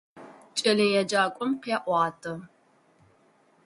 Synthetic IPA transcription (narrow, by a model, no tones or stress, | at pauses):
t͡ʃʼɐlɨjɛd͡ʒaːkʷʼɔmqjɛʔʷɑːtʰʼɨ